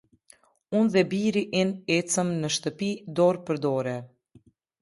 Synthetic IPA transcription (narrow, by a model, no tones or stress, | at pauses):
unðɛbiɾiʔɛnɛt͡səmnəʃt̪əpid̪ɔɾpəɾd̪ɔɾɛ